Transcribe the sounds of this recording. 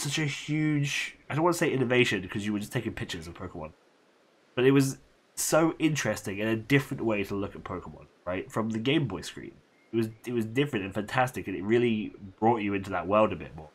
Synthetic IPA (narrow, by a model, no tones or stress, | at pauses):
sʌt͡ʃɨhjʉd͡ʒaɪdõʊ̃nwɑnəseɪʔɪ̃nɨveɪʃɨ̃nkʰʌzjɨwə˞d͡ʒʌstʰeɪkɨ̃npʰɪk̚t͡ʃə˞zʌv̥pʰəʊkəmwʌ̰̃n | b̥ʌɾɨt̚wʌz | soʊʔɪ̃nt͡ʃɹ̥ɛstɪ̃ŋɨ̃nɨdɪfɹɨ̃nʔweɪɾəlʊkət̚pʰəʊkəm̰̃nɹaɪtfɹʌ̃mðɨɡẽɪ̃mbɔɪskɹ̥ḭ̃n | ɪt̚wʌzɪt̚wʌzdɪfɹɨ̃ntɨ̃nfæ̃ntʰæstɨkɨ̃nɨt̚ɹɪlˠib̥ɹɔt͡ʃɨɪ̃ntʉðə̰ʔ̚wɜ˞lˠdɨbɪ̰t̚mɔɹ